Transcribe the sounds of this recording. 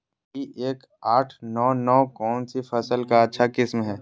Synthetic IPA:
ieːk | aːʈʰnɔːnɔːkɔːnsipʰɐsəlkaɐtːʃʰakɪsmɦɛː

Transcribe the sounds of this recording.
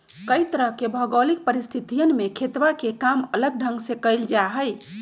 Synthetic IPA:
kəjt̪əɾəɦkebʱəɡolik̚pəɾist̪ʰit̪ijənmekʰet̪ʋakekamələɡ̚ɖʱə̃ŋɡsẽkəjld͡ʒaɦəj

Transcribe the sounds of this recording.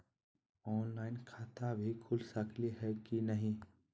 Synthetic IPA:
ɔːnlaːɪnkʰaːt̪abʱikʰʊlsəkʰliɦɛkinəɦĩ

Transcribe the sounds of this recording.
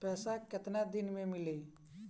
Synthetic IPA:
pɛːsakɪt̪nad̪ɪnmẽmɪle

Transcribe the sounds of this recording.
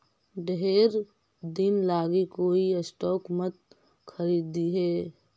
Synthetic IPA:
ɖɦeɾ | d̪inlaːɡikoiesʈɔːkmət̪̚ | kʰəɾid̪iɦɛː

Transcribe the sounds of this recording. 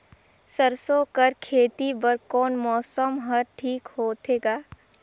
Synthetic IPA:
səɾsokəɾkʰeːt̪ibəɾkɔːnmɔːsəmɦəɾʈʰiːkhoːt̪ʰeːɡaː

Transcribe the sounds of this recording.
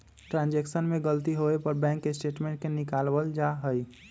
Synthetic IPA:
ʈɾãːnd͡ʒɛksənmẽɡəlt̪iɦoepəɾbɛ̃ːŋkːesʈeːʈmẽɳʈ̚kenɪkaːlwəld͡ʒaɦəi

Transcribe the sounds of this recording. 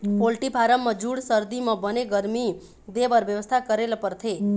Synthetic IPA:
polʈipʰaɾəmːãd͡ʒuɽsəɾd̪imãbəneɡəɾmi | d̪eʋəɾʋjəʋəst̪ʰakəɾelpəɾt̪ʰe

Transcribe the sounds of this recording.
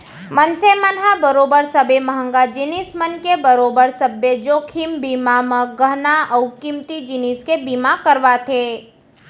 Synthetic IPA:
mənsemənɦabəɾoːbəɾsəbeməɦə̃ŋɡad͡ʒɪnismənkebəɾoːbəɾsəbjəd͡ʒoːkʰimbimaməɡəɦnaʔəwkimt̪id͡ʒiniskebiːmakəɾʋat̪ʰe

